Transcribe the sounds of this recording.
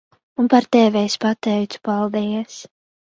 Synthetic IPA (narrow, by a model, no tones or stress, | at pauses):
unpaɾt̪ɛːvɛjspat̪ɛjt̪su̥palˠd̪ɛjɛs